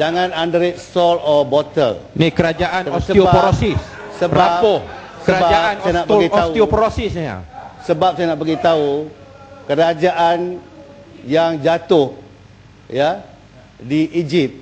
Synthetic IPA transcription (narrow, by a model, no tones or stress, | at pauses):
d͡ʒaŋãnandɾɪt̪̚st̪ɔlɔbɔt̪ə̰lnikəɾad͡ʒaʔanɔssəiobapɾosis | səbɾaʊhsəɾabad͡ʒaanajanaʔpəɡiauiopɔɾosɪsja̰səbap̚sajanaʔpəɡit̪au | kəɾad͡ʒaʔan | jaŋd͡ʒat̪ʊh | ja | diʔid͡ʒip̚